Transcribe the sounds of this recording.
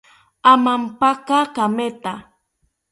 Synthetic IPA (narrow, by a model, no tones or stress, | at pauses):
amampakakamet̪a